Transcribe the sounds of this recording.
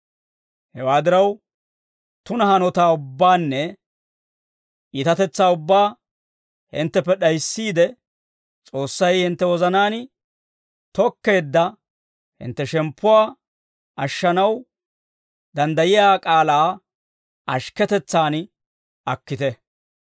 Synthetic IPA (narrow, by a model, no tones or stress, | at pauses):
hɛwaːd̪ɪɾɐw | t̪ʊnɐhɐnɔt̪aːʊbːaːnːɛ | ʔiːt̪ɐt̪ɛt͡sːaːʊbːaː | hɪ̰nt̪ːɛpːɛɗɐjsːiːd̪ɛ | t͡sʼo̞ːsːɐjhɪnt̪ːɛwɔzɐnaːn | t̪ɔkːe̞ːd̪ːɐ | hɪ̰nt̪ːɛʃɛmpːʊwaː | ɐʃːɐnɐw | d̪ɐnd̪ɐjɪjaːkʼaːlaː | ʔɐ̰ʃkɛt̪ɛt͡sːaːn | ʔɐkːɪt̪ɛ